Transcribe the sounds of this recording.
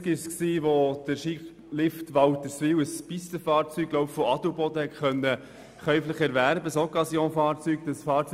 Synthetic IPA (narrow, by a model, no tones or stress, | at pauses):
kɪʃsksiːʋod̥əɾʃiχ | lɪftʋɑwtəsfɪwəspistəfɑːɾt͡syːɡ̥̚ɡ̥loʊpfoɑd̥ubɔd̥əhɛtkœnːə | χœʏfləχɛɾʋæɾbəsɔkɑsjoːnfɑːɾt͡syːɡd̥̪əsfɑːɾt͡s